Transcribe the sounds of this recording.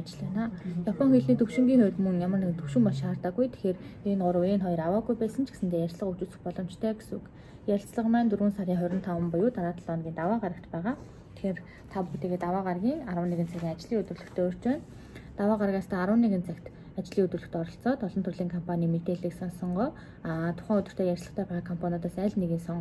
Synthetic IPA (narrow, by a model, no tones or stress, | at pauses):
at͡ɕɮeːnaːjapʰɔŋxeɮniːt̪ʰɵwʃɪ̆ŋɡʲiːŋeːt̪mɵnjamərnekɘ̆t̪ʰɵwʃɪ̆mpɔʃaːrt̪ăːɡujt̪ʰe̥xeːrenɢʊɾə̆weːnχɔjɞrawaːɡujpæːsə̆nt͡ɕʰɡe̥sɘ̆nt̪eːjært͡ɕɮə̆χut͡ɕuːsɘ̆xpɔɮɞ̆m̥t͡ɕt̪ʰœːɡesŭk | jaɬt͡sɮə̆qmæːnt̪uɾɣuːnsaɾʲiːŋχœɾʲɪ̆nt̪ʰɔwə̆mpʊjʊːt̪aɾaːt̪ə̆ɮɔnɡʲiːnt̪awaːʁaɾə̆k̚t̪pæːʁaː | t̪ʰe̥xeːr | t̪ʰapuxt̪iːɣeːt̪awaːʁarɣʲiːŋaɾwə̆neɣɘ̆nt͡sʰæɣʲiːŋat͡ɕɮiːut̪rŭɮɵ̆xt̪ʰeːʊr̥t͡ɕæːn | t̪awaːɢaɾəɣaːst̪ʰœːaɾwə̆nːeɣɘ̆nt͡sʰækt̪ | at͡ɕɮiːɵt̪ŭɮɵ̆xt̪ɔɾɞ̆ɬt͡sɔːt̪ɔɮɞ̆nt̪ʰɵrɮiːŋkʰɔmpʰanʲiːmet̪eːɮiːksɔnsɞɴɢɔː | t̪ʰʊ̥χæːŋɵt̪ɵ̆r̥t̪ʰeːjærʲsɮə̆χt̪ʰæːpæːʁaːkʰɔmpʰanʲɔt̪aːsæːɮneɣɘːnsɔɴ